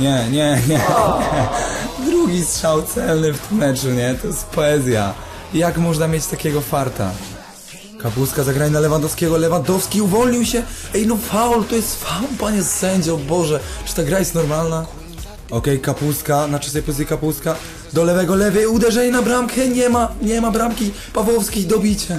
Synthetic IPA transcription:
ɲɛɲɛɲɛɲɛ | d̪ɾuɡʲistʂawt̪sɛlnɘft̪ɪmːɛt͡ʂuɲɛt̪ɔjɛst̪pɔɛzʲja̰ | jakmɔʐnamʲjet͡ɕt̪akʲɛɡɔfaɾt̪a̰ | kapuskazaɡɾaɲɛnalɛvand̪ɔfskʲɛɡɔlɛvand̪ɔfskʲiuvɔlɲiwɕɛɛjnɔfaɔlt̪ɔjɛst̪faɔlpaɲɛsɛɲd͡ʑɛbɔʐɛt͡ʂɨ̥t̪aɡɾajɛst̪nɔɾmalna | ɔkɛjkapuskanat͡ʂasɛjpusʲikapuska | d̪ɔlɛvɛɡɔlɛvɛud̪ɛʐɛɲinabɾamkʰɛɲɛmaɲɛmabɾamkʲi | pavwɔfskʲid̪ɔbʲit͡ɕɛ

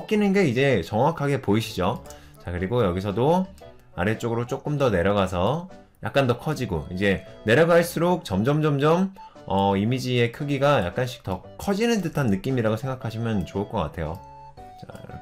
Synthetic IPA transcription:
ʌk͈inɯnɡe̞id͡ʑe̞t͡ɕʌŋwakʰaɡe̞poiɕʰid͡ʑo | t͡ɕakɯɾiɡojʌɡis̬ʰʌdo | aɾet͡ɕ͈oɡɯɾot͡ɕ͈ok͈ɯmdʌne̞ɾjʌɡasʰʌ | ja̰k̚k͈andʌkʰʌd͡ʑiɡoid͡ʑe̞ne̞ɾjʌɡaɭs͈uɾok̚t͡ɕʌmd͡ʑʌmd͡ʑʌmd͡ʑʌm | ʌimid͡ʑie̞kʰɯɡiɡaja̰k̚k͈anɕ̬ʰi̥k̚t͈ʌ | kʰʌd͡ʑinɯndɯtʰanːɯk͈imiɾaɡosʰe̞ŋɡakʰaɕʰimjʌnt͡ɕoɯɭk͈ʌk͈a̰tʰe̞jo̰ | t͡ɕa̰

